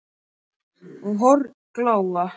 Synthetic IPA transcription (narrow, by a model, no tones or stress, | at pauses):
unɦɔɾ | klaːwa